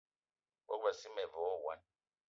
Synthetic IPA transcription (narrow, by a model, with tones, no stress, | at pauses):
wa̰˦kba˨si˦mɛ˨vɔ˨˦˨wa̰˦n